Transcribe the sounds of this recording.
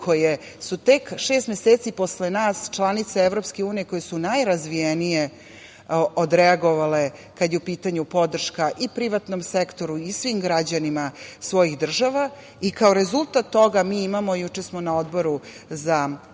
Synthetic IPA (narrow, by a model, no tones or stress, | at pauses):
kʰo̞je | sut̪ekʃe̞ːst̪meseːt̪sipo̞slenaːst͡ʃlˠanit̪saevɾo̞pske̞uːnije̞ko̞jesunajɾazʋijenije | od̪ɾɛaɡoʋale̞kad̪jeupiːt̪aɲupo̞d̪r̩ʃkaʔipɾiʋat̪no̞msekt̪o̞ɾuisʋiːmɡɾad͡ʑanimasʋo̞jixd̪r̩ʒaʋa | ikaoɾe̞zulˠt̪at̪ːo̞ɡamiːimamojut͡ʂesmo̞naod̪bo̞ɾuza